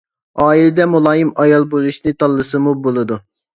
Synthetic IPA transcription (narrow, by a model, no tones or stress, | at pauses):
ɑːilɛd̪ɛmulˠɑːjimɑjɑlˠbozuʃnɨt̪ʰɑlˠːɨsɨmubolˠɨd̪u